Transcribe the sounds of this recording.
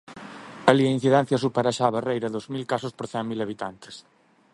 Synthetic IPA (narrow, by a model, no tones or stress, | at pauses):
ɐliɐin̟θiðɛn̟θjɐs̬upaɾaʃaːβarejɾɐðozmilkasʊspoɾθɛŋmilɐβ̞it̪ant̪ɪ̥s